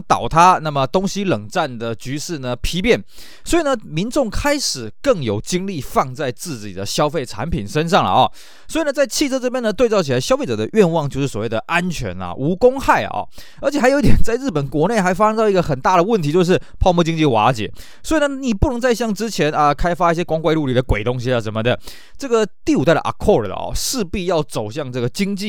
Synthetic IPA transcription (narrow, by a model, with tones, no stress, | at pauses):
ŋt̪ɑ̰˨˩ʊt̪ʰa˥na˥˩mə˩t̪ʊ˥ŋɕi˥lə˨˩ŋʈ͡ʂa˥˩nd̪ə˩t͡ɕy˧˥ʂɻ̩˥˩nə˩pʰi˧˥pjɛ˥˩n | swɔ˧˥i˨˩nə˩mi˧˥nʈ͡ʂʊ˥˩ŋkʰa˥ɪʂɻ̩˨˩kɤ˥˩ŋjo˨˩ʊt͡ɕi˥ŋli˥˧˨fɑ˥˧ŋt͡sa˥˧ɪt͡sɹ̩˥˩t͡ɕḭ˨˩d̪ə˦ɕjɑ˥ʊfe˥˩ɪʈ͡ʂʰa̰˧˥npʰi˨˩nʂə˥nʂɑ˥˩ŋlə̰˩ʔɔ˨˩ | swɔ˧˥i˨˩nə˩t͡sa˥˧ɪt͡ɕʰi˥˧t͡sʰɤ˥ʈ͡ʂɤ˥˩pjɛ˥nə˨t̪wɪt͡sɑ˥˩ʊt͡ɕʰi˨˩la˧˥ɕjɑ˥fe˥˩ɪʈ͡ʂɤ˨˩d̪ə˦ʔɥɛ˥˧nwɑ˥˧ŋt͡ɕjo˥˧ʊʂɻ̩˥˩swɔ˨˩we˥˩d̪ə˩ʔa˦nt͡ɕʰɥɛ̰˧˥nɐ̰˨ʔu˧˥kʊ˥ŋxa˥˩ɪ̰˩ɔ̰˨˩ | ə˧˥t͡ɕʰɛ˨˩a˧˥jo˧˥˦i˥˩t̪jʲɛ˨nt͡sa˥˧ɪɻɻ̩˥˩pə˨˩nkwɔ˧˥ne˥˩ɪxa˧˥ɪfa˥ʂɤ˥ŋt̪ɑ˥˧˩i˥ɡə˧xə˨˩nt̪a˥˩ɾə˩wə˥˩nt̪ʰi˧˥t͡ɕjo˥˧ʊʂɻ̩˥˩pʰɑ˥˧ʊmu˥˧t͡ɕi˥ŋt͡ɕi˥˩xwa̰˧˥t͡ɕjɛ̰˨˩˦ | swɔ˧˥i˨˩nə˧˦ni˨˩pu˥˩ɤ˧˥ŋt͡sa˥˧ɪɕ̬jɑ˥˩ŋʈ͡ʂɻ̩˥t͡ɕʰjɛ˧˥nə˧kʰa˥ɪfa˥i˥˩ɕjɛ˥kwa˥ŋkwa˥˧ɪlu˥˧li˨˩ə˦kwe˨˩ɪt̪ʊ˥ŋɕi˧ə˨˩ʂə˧˦˥nmə˧d̪ə˩ | ʈ͡ʂɤ˥˩ɡə˩t̪i˥˩u˨˩t̪a˥ɪd̪ə˨ʔa̰˨˩kʰːɔ˥˩ɹə̰˩ɔ̰˨˩ʂɻ̩˥˧pi˥˧jɑ˥˩ʊt͡so˨˩ʊɕjɑ˥˧ŋʈ͡ʂɤ˥˩ɡə˩t͡ɕi˥ŋt͡ɕi˥˨